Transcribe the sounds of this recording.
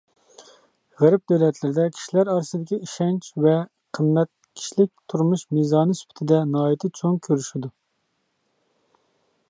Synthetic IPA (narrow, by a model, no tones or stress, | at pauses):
ʁæɾɪp̚d̪øwlɛt̪ʰlɪɾɪd̪ɛkʲʰi̥ʃilæɾɑɾsɨd̪ɪkʲiiʃɛnt͡ʃvɛ | qʰəmːɛt̪̚kʲʰi̥ʃlɪk̚ʲt̪ʰuɾmuʃmizɑːnɨsy̥pʰɪ̥t̪ʰɪd̪ɛnɑːit̪ʰɪt͡ʃʰoŋkʲʰøɾyʃid̪u